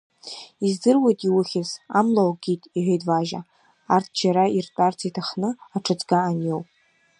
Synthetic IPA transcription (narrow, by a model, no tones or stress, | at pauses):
izdɨrwejtʼiwʊχʲɪza̰mlawɡʲitʼiħʷejtʼvaʒa | artʰd͡ʒaɾairtʼart͡sʰitʰaχnɨaʈ͡ʂʰɨt͡sʼɡaːnjowpʼ